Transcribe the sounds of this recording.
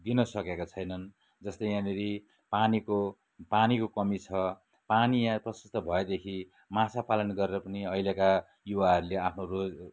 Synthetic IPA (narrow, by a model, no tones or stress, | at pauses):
d̪inʌsʌkekot͡sʰʌjnʌn | d͡zʌst̪ʌjjãneɾi | paniko | panikokʌmit͡sʰʌ | panijãprʌsʌst̪ʌbʱʌed̪ekʰi | mãt͡sʰapalʌnɡʌɾeɾʌpʌniʌjleka | juwaɦʌɾuleapʰnorod͡z